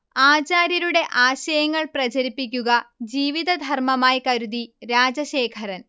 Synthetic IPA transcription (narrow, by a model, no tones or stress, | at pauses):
aːt͡ɕaːɾjɐɾuɽe̞ʔaːɕɐjɐŋːɐɭprɐt͡ɕɐɾipːik̬ʲːuɣɐd͡ʑiːʋiðɐd̪ʱɐrmɐmaːjikɐɾud̪iɾaːd͡ʑɐɕe̞ːkʰɐɾɐn